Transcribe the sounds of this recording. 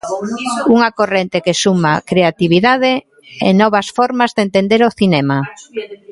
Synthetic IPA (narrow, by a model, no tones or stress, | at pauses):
uŋakorent̪ekesumakɾeat̪iβ̞iðað̞e | ɛ̰nɔβasfɔɾmazðent̪end̪eɾoθinɛma